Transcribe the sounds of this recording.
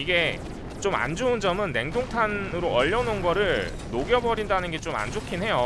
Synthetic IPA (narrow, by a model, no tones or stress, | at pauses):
iɡe̞ | t͡ɕoma̰nd͡ʑound͡ʑʌmɯnːe̞ŋdoŋtʰanɯɾoʌʎːʌnonɡʌɾɯɭ | noɡjʌbʌɾindanɯnɡe̞t͡ɕoma̰nd͡ʑokʰinɦe̞jo